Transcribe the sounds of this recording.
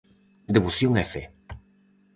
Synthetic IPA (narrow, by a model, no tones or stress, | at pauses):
d̪eβuθjoŋefe